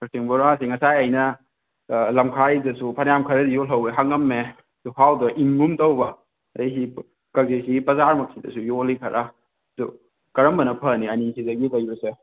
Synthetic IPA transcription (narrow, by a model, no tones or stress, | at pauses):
pɐtiŋbɔɾasiŋɐsajajnɐ | lɐmkʰajdɐsupʰɐnjamkʰɐɾɐdijɔlɐweɦaŋɐmːe | duhawdɐʔimːumtɐwbɐ | ɐjsi | kɐzesiɡipɐzaɾmɐk̚sidɐ̰sujolikʰɐɾʔa | dɔ̰ | kɐɾɐmbɐnɐpʰɐniɐnisidɐɡikɐjbɐse